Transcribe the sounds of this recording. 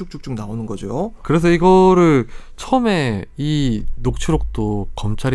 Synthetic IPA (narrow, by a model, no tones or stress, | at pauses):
uk̚t͡ɕ͈uk̚t͡ɕ͈uŋnaonɯnɡʌd͡ʑokɯɾe̞s̬ʰʌiɡʌɾɯɭt͡ɕʰʌʌme̞inok̚t͡ɕʰuɾok̚t͈okʌmt͡ɕʰaɾi